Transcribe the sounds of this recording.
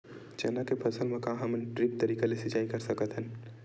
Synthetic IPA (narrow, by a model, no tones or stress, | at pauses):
d͡ʒɛ̰ːnakepʰɐsəlmẽkãɦɐmnʈɾɪp̚t̪ɐɾiːkalesɪt͡ʃaːikɐɾsɐkət̪ɦɛ̃n